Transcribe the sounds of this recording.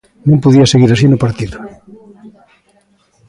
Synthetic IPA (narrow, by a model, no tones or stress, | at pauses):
nõmpoðiaseɣiɾasinʊpaɾt̪iðʊ